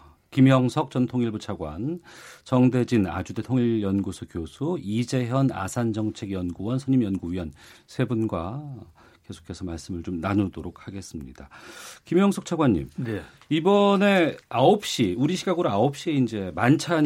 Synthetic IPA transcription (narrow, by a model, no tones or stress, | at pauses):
kimjʌŋsʰʌk̚t͡ɕ͈ʌntʰoŋiɭbut͡ɕʰaɡwa̰nt͡ɕʌŋde̞d͡ʑina̰d͡ʑude̞tʰoŋiʎjʌnɡusʰʌkjosʰuid͡ʑe̞ɦjʌna̰sʰand͡ʑʌŋt͡ɕʰe̞ɡjʌnɡuwʌnsʰʌɲimjʌnɡuɥiʌnsʰe̞bunɡwa | ke̞sʰo̥kʰe̞sʰʌmaɭs͈ɯmɯɭt͡ɕomnanudoɾok̚ʰhaɡe̞s͈ɯmɲḭdakimjʌŋsʰʌk̚t͡ɕʰaɡwaɲːḭm | ibʌne̞aop̚ɕ͈iuɾiɕʰiɡaɡɯɾoaop̚ɕ͈ieind͡ʑe̞mant͡ɕʰa